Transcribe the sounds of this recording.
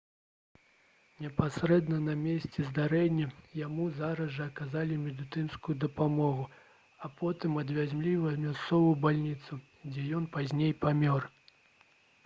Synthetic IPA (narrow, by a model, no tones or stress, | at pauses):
nʲɛpasɾɛd̪nɐnɐmʲesʲt͡sʲɛzd̪aɾɛnʲːɐjamuzaɾɐzʐɐɐkazalʲimʲɛd̪ɨt̪ɨnskujud̪ɐpamɔɣu | ɐpʰɔt̪ɨmɐd̪vʲazʲmlʲivɐmʲast̪sɔvujubalʲnʲit̪su | d͡zʲɛjɔnpazʲnʲejpamʲɔr